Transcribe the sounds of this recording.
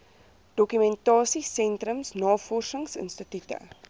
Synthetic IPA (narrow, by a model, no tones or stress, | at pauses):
d̥ɔkymɛntɑːsisɛntrəmsnɑːfɔrsəŋsə̰nstətytə̰